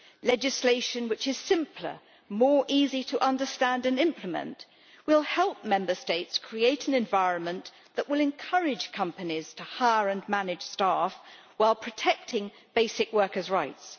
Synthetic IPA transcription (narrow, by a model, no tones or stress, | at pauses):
lɛd͡ʒɨsleɪʃɨ̃nwɨt͡ʃɨz̥sɪ̃mpʰlə̰˞ | mɔɹʔiziɾəʔʌ̃ndəstæ̃ndɨ̃nɪ̃mplɨmə̰̃nʔ | wɪlˠhɛlˠp̚mɛ̃mbə˞steɪtskʰɹ̥ieɪɾɨ̃n̩ɨ̃ɱvaɪɹɨ̃nmə̃n | ðəʔwɪlˠɨ̃nkʰʌɹɪd̥ʒ̥kʰʌ̃mpɨniz̥tʰəhaɪəɹɨ̃nmænɪd̥ʒ̥stæf | waɪlˠpʰɹ̥ɨtʰɛk̚tʰɪ̃ŋ | b̥eɪsɨkwɜ˞kə˞zɹaɪts